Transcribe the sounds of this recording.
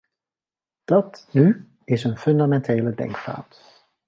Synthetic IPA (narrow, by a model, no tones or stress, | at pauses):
d̥ɑtny | ɪsənfɵndamɛntʰeːlədɛ̰ŋkfa̰ːt